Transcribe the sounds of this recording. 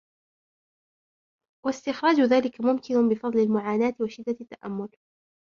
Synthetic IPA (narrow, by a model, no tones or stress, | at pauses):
wast̪ɪxɾˤɑːd͡ʒʊðaːlɪkamʊmkɪnʊbɪfɑðˤlɪlmʊʕaːnaːt̪ɪwaʃɪd̪ːaat̪ːaʔa̰mːʊl